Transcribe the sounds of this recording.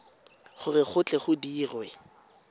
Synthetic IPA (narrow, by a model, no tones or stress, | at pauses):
χʊrɪχʊt͡ɬʼɛχʊdiːrwɛ